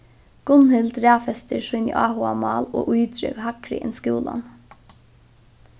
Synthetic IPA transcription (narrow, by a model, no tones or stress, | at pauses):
ɡ̥ʊnhɪld̪ɾæːfɛst̪ɪɾʂujnə̰ʔaːhʊamɑːloːʔujd̪ɾœʋhakɾɪ̰ʔɛnskuːlan